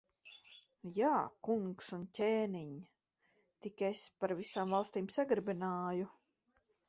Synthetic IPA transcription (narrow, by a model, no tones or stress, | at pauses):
jaːkuŋksuncʲeːniɲ | t̪ikespaɾvisaːmvalˠst̪iːmsaɡɾbinaːju